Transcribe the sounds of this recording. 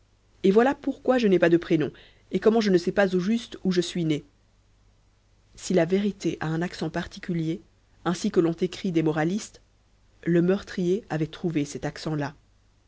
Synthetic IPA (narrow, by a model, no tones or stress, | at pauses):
evwalapuʁkwaʒənɛpad̪əpχenɔ̃ | ekɔmɑ̃ʒənəsɛpazoʒyst̪uʒəsɥine | silaveʁit̪eʔaɛ̃naksɑ̃paʁt̪i̥kʲylje | ɛ̃sikəlɔ̃t̪ekχid̪ɛmɔʁalist̪ | ləmœʁt̪χijeavɛt̪χuvesɛt̪aksɑ̃la